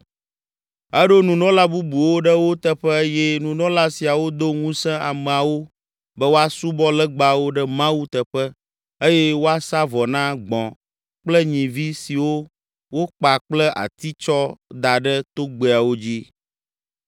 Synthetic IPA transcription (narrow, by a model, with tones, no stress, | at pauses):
ɛ˦ɖo˦nũ˨nɔ̃˦la˦bu˦bu˨wo˦ɖə˦wo˦t̪ə˦ɸɛ˦jɛ˦nũ˨nɔ̃˦la˦si˨a˨wo˦d̪o˦ŋũ˦sɛ̃˦a˨mɛ̃˨a˨wo˦ | bɛ˦wo˦a˦su˦bɔ˦lɛ˦ɡ͡ba˦wo˦ɖɛ˦mã˦wu˦t̪ə˨ɸə˦ | e˦jɛ˦wo˦a˦sa˦vɔ˨nã˦ɡ͡bɔ̰̃˨ | k͡plɛ˦ɲĩ˨vi˦si˨wo˦ | wo˦k͡pa˨k͡plɛ˦ʔa̰˨t̪i˦t͡ʃɔ˦d̪a˨ɖə˦t̪o˦ɡ͡be˨a˨wo˦d͡ʑi˦